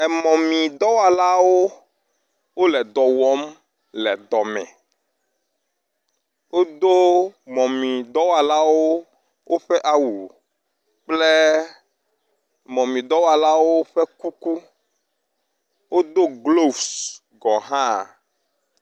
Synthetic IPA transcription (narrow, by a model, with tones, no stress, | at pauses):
ɛ˨mɔ̃˨mĩ˨d̪ɔ˦wa˨la˦wo˦ | wo˦lɛ˨d̪ɔ˨wɔ˦m | lɛ˨d̪ɔ˨mɛ̰̃˨ | wo˦d̪o˦mɔ̃˨mĩ˨d̪ɔ˦wa˨la˦wo˦ | wʔo˦ɸɛ˦ʔa˦wu˨ | k͡ple˦ | mɔ̃˨mĩ˨d̪ɔ˦wa˨la˦wo˦ɸe˦ku˦ku˦ | wo˦d̪o˦ɡlo˦vs | ɡɔ˨ɦã˦˨